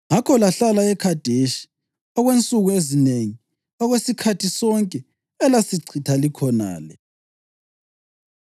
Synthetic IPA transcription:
ŋakʰɔlaɬalaɛkʰad̥ʱeʃi̥ | aɣwent͡sʼuɣuezineŋi | aɣwesikʰatʰisɔŋkʼɛ | ɛlasiǀʰʱitʰalikʰɔna̰ːlɛ

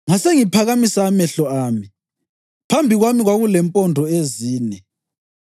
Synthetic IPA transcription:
ŋaseŋipʰaɣamisaːmɛɬɔaːmi | pʰambʱiɣwamiɣwaɣulɛmpʼɔndʱɔeziːnɛ

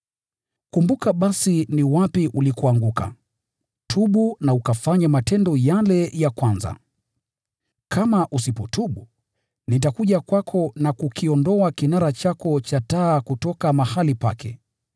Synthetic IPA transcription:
kumbukaɓasiniwapiʔulikuaŋɡuka̰ | tʰuɓunaukafaɲamatɛndɔjalɛjakwanza̰ | kʰamaʔusipɔtʰuɓu | nitakuʄakwakʰɔnakukiɔndɔakinaɾat͡ʃakɔt͡ʃataːkutɔkamahalipa̰kɛ̰

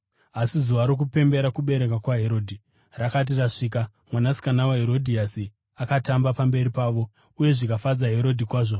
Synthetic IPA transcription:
asizuʋaɾok̬upe̞mbe̞ɾakuɓe̞ɾe̞kakwaɦe̞ɾo̞ːdʱi | rakat̬iraʂiːk̬a | mwanasi̥kanawaɦeɾo̞dʱiasi | akatambapambe̞ɾipaːʋo̞ | uje̞ʐikafad͡zaɦe̞ɾo̞dʱikwaːʐo

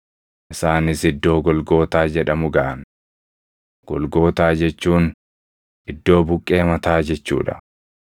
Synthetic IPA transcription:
ʔɪsaːnɪsɪd̪ːo̞ːɡɔlɡo̞ːt̪aːd͡ʒɛᶑɐmʊɡɐʔɐn | ɡ̥ɔlɡo̞ːt̪aːd͡ʒɛt͡ʃːuːn | ʔɪd̪ːo̞ːbʊkʼːe̞ːmɐt̪aːd͡ʒɛt͡ʃːṵːᶑɐ

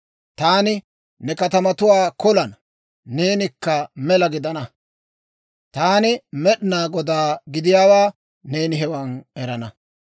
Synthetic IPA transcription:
t̪aːnɪ | nːɛkɐt̪ɐmɐt̪ʊwaːkɔlɐnː | e̞ːnɪkːɐmɛlɐɡɪd̪ɐnɐ | t̪aːnɪmɛɗnaːɡɔd̪aːɡɪd̪ɪjaːwaː | ne̞ːnɪɦɛwɐnɛɾɐnɐ

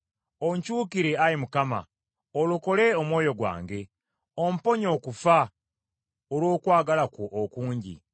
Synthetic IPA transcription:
oɲcuːkiɾe̞ajimukama̰ | oluko̞le̞omwo̞ːjo̞ɡwa̰ːŋɡe̞ | om̩po̞ɲo̞kufa | oɾwo̞ːkwaːɡalakoʔːkuːɲɟḭ

